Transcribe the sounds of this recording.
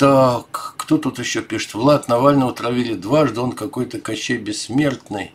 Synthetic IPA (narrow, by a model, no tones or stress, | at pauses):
t̪akːt̪ot̪ut̪ɪɕːopʲiʂɨ̥t̪vlˠat̪nɐvalʲnəʊt̪ɾɐvʲilʲɪd̪vaʐd̪ɨo̞nkɐko̞jt̪əkɐɕːejbʲɪsʲːmʲe̞rt̪nɨj